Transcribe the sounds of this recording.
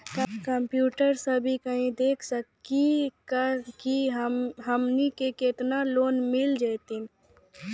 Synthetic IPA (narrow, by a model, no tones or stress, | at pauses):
kãkəmpjuːʈəɾsəbʱikəɦĩd̪eːkʰsəkikəkiɦɦəmnikeket̪naloːnmɪld͡ʒat̪in